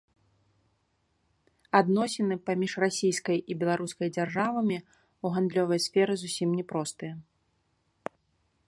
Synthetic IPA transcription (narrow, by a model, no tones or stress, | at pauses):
ad̪nɔsʲɛnɨpamʲiʂrasʲijskɐjʔibʲɛlˠaɾuskɐjd͡zʲarʐavɐmʲi | uɣand̪lʲɔvɐjsfʲɛɾɨzusʲimnʲɛpɾɔst̪ɨjɐ